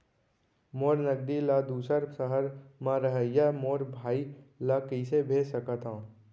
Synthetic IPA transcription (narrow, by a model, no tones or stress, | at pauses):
moːɾnəɡ̚d̪ilad̪uːsəɾsəɦəɾmãɾəɦəjamoːɾbʱaːilakəsebʱeːsəkət̪ã